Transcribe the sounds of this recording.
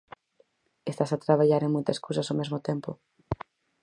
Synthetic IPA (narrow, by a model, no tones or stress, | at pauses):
est̪asat̪ɾaβaʎaɾeŋmojt̪ɐskowsɐsomezmʊt̪empʊ̰